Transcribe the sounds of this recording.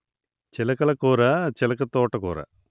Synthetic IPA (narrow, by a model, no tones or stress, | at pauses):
t͡ʃɛlɐkɐlɐkoːɾɐt͡ʃɛlɐkɐt̪ːoːʈːɐkoːɾɐ̰